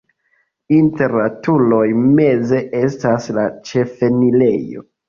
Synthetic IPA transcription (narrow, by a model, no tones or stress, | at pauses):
inte̞ɾlatulo̞jme̞ze̞ʔe̞staslat͡ʃe̞fe̞nile̞jo̞̰